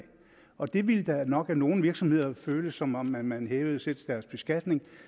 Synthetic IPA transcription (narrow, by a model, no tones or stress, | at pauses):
ɒ̽d̥e̝ʋiləd̥ɑnɒ̽ɡ̥æno̝ːn̩ʋiɐɡ̥sɒ̽mhe̝ð̞̰ˠɐføːləsɒ̽mɒ̽mːænmænɦeːʊð̩ˠsed̥ʰd̥æɐsb̥e̝sɡ̥æd̥ne̝ŋ